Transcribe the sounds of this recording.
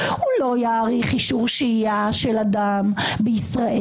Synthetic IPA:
ulo̞jaːʁiχiʃuʁʃiaʃelad̪am | beisʁaʔe

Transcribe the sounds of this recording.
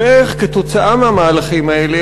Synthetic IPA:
eχket̪o̞t͡saʔameamaːlaχimaele

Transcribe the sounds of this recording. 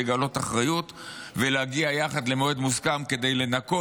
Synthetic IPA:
eɡalo̞t̪aχʁajut̪veleaɡiajaχad̪le̞moed̪muskamke̞d̪e̞jle̞nako

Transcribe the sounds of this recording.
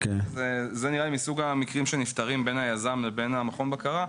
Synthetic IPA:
kezezeniʁalimisuɡamikʁimʃenift̪aʁimbe̞nhajazamvebe̞namaχo̞nbakaʁa

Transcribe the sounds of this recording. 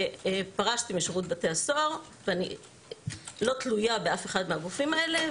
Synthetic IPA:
paʁaʃtimiʃiʁut̚bateasoʁ | veanḭ | lo̞t̪lujabeafeχad̪mehaɡufimaele̞

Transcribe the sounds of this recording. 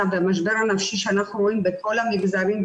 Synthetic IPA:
avdamaʃ̬beɾanafʃiʃanaχuɾoinbekʰolamiɡzaɾim

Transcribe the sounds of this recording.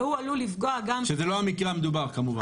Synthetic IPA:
hualulifɡoaɡamʃezelohamikʁeamed̪ubaʁkamuva

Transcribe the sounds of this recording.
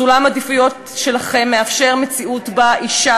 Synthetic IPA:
ulamadifujo̞t | ʃe̞laχe̞mːeafʃe̞ʁmet͡siutbaʔiʃa

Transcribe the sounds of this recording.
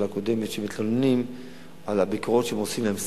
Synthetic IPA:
lakod̪e̞met̪ʃemit̪lolnim | alabikoʁo̞tʃeemosimlaems

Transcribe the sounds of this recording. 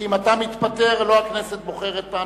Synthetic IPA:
imat̪amit̪pat̪e̞ʁloakneset̪̚bo̞χeʁet̪̚pa

